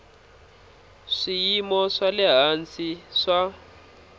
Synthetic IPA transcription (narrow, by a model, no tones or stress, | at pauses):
ʂijimɔʂalɛɦant͡siʂa